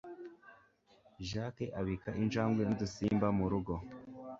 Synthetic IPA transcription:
ʒakeʔaβikaʔinʒaːmɡwenudusiːmbamuɾuɡo̞

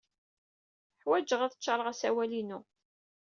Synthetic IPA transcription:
ħwæd͡ʒəʁæθə̥t͡ʃːɑɾˤəʁæsæwælinʊ

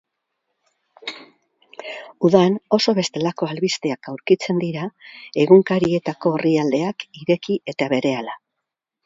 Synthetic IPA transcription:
uðano̞so̞βe̞st̪e̞lako̞alβist̪e̞akawɾkit͡se̞nd̪iɾae̞ɣuŋkaɾie̞t̪ako̞ːriald̪e̞akiɾe̞kiʔe̞t̪aβe̞ɾe̞ala

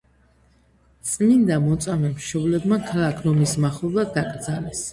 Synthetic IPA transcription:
t̪sʼnind̪amɔt̪sʼamɛmʃɔblɛbmakʰlakʰɾɔmismaχulˠad̪akʼɾd̪zalɛs

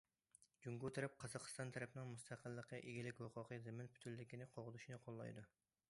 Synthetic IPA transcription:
d͡ʒuŋɡut̪ʰɨɾɛp̚qʰɑzɑqʰəst̪ɑnt̪ʰæɾɛpnɪŋmust̪ʰæqʰəlˠːəqːəʔeɡʲilɪkʲhʊqʰʊqʰəzɪmɪnpʰy̥t̪ʰylːɪkʲinɪqʰoʁʊzuʃinɨqʰolˠːɑ̰jd̪u

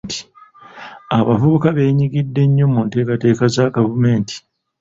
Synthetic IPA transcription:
tʰi̥ | aβavuβukaβe̞ːɲiɡidːe̞ɲːo̞munte̞ːkate̞ːkazaɡavume̞ːnti̥

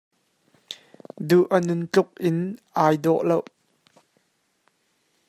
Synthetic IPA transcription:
d̪uʔənʊnt͡ɬʊk̚ʔɪnʔaːjd̪ɔʔlow

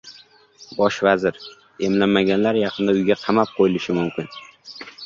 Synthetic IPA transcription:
bɒʃvazɪɾ | e̞mlanmːaɡʲanlaɾjɑqʰɨnd̪aʊjɡʲaqʰɑmap̚qʰojɪlɪʃɪmʊmkʲɪn

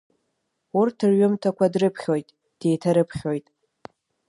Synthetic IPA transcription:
urtʰɨrɥʊmtʰakʷadrɨpʰχʲojtʼ | d̥e̞jtʰaɾɨpʰχʲo̞jtʼ

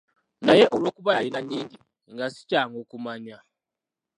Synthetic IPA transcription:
najɛʔulwokuβajinaniːndi | ŋɡasi̥t͡ʃʼaŋɡokumaɲa

